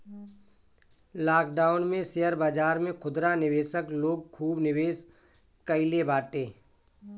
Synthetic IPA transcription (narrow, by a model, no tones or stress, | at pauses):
laːk̚ɖaːʊnmẽseəɾbaːd͡ʒaːɾmẽkʰʊd̪ɾanɪweːʃəkloːɡ̚kʰuːbnɪweːs | kəɪlebaːʈeː